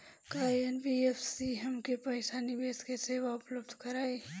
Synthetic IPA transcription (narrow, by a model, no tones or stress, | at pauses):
kaːienbiefʰsiɦɐmkepɐesaːnibeːskeseːʋaʊpləbd̪ʱkɐɾaːe